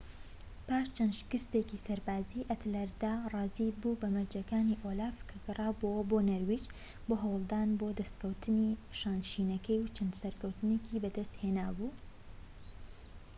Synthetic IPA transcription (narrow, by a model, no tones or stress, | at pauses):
paːʃt͡ʃʰɐnd̪ʃɪ̥kɨst̪ekisɐɾbaːziʔɐt̪lɐɾd̪arɑːzibubɐmɐɾd͡ʒɐkaːniʔolaːfkʰɐɡɨrˤɑːbowɐboːnɐɾwit͡ʃ | boːɦɐwlˠd̪aːnboːd̪ɐst̪kɐwt̪ʰɨniʃaːnʃiːnɐkɐjwt͡ʃʰɐnd̪sɐɾkɐwt̪ɨnekibɐd̪ɐst̪heːnaːbuː